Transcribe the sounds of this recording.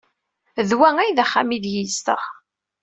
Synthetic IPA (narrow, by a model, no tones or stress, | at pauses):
ðwæŋæjðæχːæ̰miðjist̪ə̰ʁ